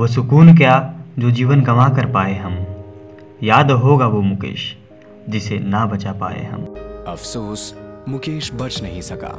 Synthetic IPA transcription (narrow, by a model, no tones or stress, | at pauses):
ʋos̬ʊkuːnk̬jaːd͡ʒoːd͡ʒiːʋənɡɐmakəɾpaːeɦɐm | jaːd̪ɦoːɡaʋoːmʊkḛːʃ | d͡ʒɪsenabɐt͡ʃapa̰ːḛɦɐ̰mɐfsoːsmʊkeːʃbɐt͡ʃnɐɦĩsɐka̰ː